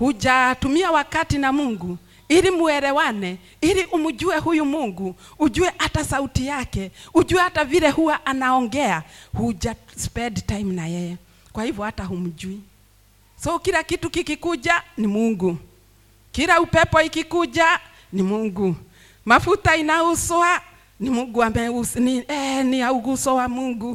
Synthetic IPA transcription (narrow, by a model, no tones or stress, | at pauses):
huʄatumiawakatinamuŋɡu | iɾimuɛɾɛwanɛ | iɾiʔumud͡ʒuɛhujumuŋɡu | ud͡ʒuɛʔatasautijakɛud͡ʒuɛhataviɾɛhuwaʔanaɔŋɡɛahud͡ʒaspɛdtajimnajɛjɛ | kwahivjɔhataɦum̩d͡ʒui | sɔkiɾakitukikikud͡ʒanimuŋɡu | kiɾaupɛpɔikikud͡ʒa | nimuŋɡu | mafutainausɔa | nimuŋɡuambaɛuniɛniauɣusɔwamuŋɡu